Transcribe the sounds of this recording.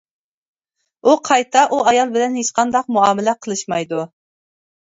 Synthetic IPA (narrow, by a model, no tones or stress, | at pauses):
uqʰɑjt̪ʰɑʔuɑjɑlˠbɪlɛnhet͡ʃqʰɑnd̪ɑq̚muɑːmɪlɛqʰəlˠɨʃmɑjd̪u